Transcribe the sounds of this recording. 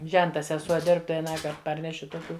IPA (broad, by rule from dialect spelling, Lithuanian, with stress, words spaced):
ˈʒʲɛntɐ sʲɛˈsuɔ ˈdʲɪrp tɐɪ ɐˈnɑːkɐrt ˈpɐrʲnʲɛʃʲɪ toːˈkʲuː